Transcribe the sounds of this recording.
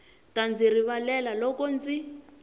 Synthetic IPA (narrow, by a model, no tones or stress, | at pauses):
tand͡ziriβalɛlalɔkɔnd͡zi